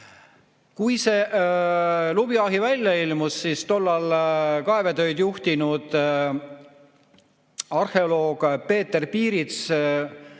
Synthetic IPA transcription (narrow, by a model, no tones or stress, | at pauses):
kujse̞ː | lubiɑɦivælʲjɑilmusːist̪o̞lːɑlkɑe̞vet̪ø̞jd̪juht̪inud̪̥ | ɑrhe̞olo̞ːɡ̥pe̞ːt̪ːe̞rpiːɾit̪s